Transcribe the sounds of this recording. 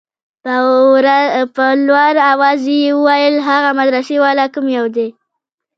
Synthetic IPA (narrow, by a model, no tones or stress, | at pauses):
ɾapəlwaɾawɑzejewəwajəlɦaɣamad̪ɾasewɑlakəmjawd̪e